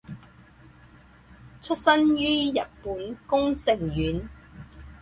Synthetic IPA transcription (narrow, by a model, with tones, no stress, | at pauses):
t͡ʃʰɵ˥t̚sɐ˥njyː˥jɐ˨t̚puː˨˥nkʊ˥ŋsɪ˨˩ŋjyː˨˥n